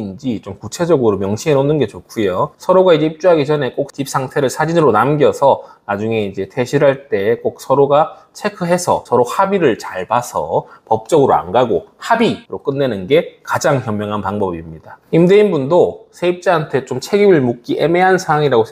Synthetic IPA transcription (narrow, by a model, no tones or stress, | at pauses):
nd͡ʑit͡ɕomkut͡ɕʰe̞d͡ʑʌɡɯɾomjʌŋɕʰienonːɯnɡe̞t͡ɕokʰujosʰʌɾoɡaid͡ʑe̞ip̚t͡ɕ͈uɦaɡid͡ʑʌne̞k͈ok̚t͡ɕip̚s͈ʰaŋtʰe̞ɾɯɭsʰad͡ʑinɯɾonamɡjʌsʰʌnad͡ʑuŋe̞id͡ʑe̞tʰe̞ɕʰiɾɦaɭt͈e̞k͈ok̚sʰʌɾoɡa | t͡ɕʰe̞kʰɯɦe̞sʰʌ̰sʰʌɾohabiɾɯɭt͡ɕaɭpasʰʌ̰pʌp̚t͡ɕ͈ʌɡɯɾoa̰nɡaɡohabiɾok͈ɯnːe̞nɯnɡe̞kad͡ʑaŋçjʌmːjʌŋɦanpaŋbʌbimɲid̥aimdeinbundosʰe̞ip̚t͡ɕ͈aantʰe̞t͡ɕomt͡ɕʰe̞ɡiuɭmuk̚k͈iʔe̞me̞ɦansʰaaŋiɾaɡo